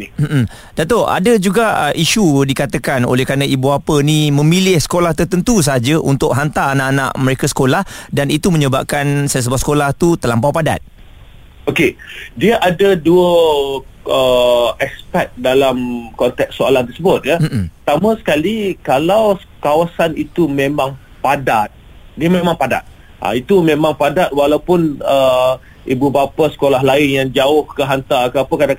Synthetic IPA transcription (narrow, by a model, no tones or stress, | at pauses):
nim̩ | dat̪oʔa̰dəd͡ʒuɡaəʔiʃudikat̪əkano̰lɛhkɾanaibuapənĩmə̃milɪhsə̥kolaht̪ərt̪ənt̪us̬əɦad͡ʒəʔunt̪ʊʔ̚ɦant̪aanãʔanã̰ʔməɾekasə̥kolahdanit̪umə̃ɲəba̰p̚kansajs̬əbasə̥kolaht̪ut̪əlampawpada̰t̪̚ | okediəʔadəduə | əɛkspɛk̚dalamkɔnt̪ɛk̚soalant̪ərsəbʊt̪̚jət̪amãsə̥kalikalaws | kawasanit̪umẽmãŋ | padat̪̚ | diəmẽmãŋpada̰t̪̚ | ʔa̰it̪umẽmãŋpadat̪̚walawpʊnə | ʔibubapasə̥kolaɦlaɪnjaŋd͡ʒaʊhkəɦant̪akəapəkadãŋ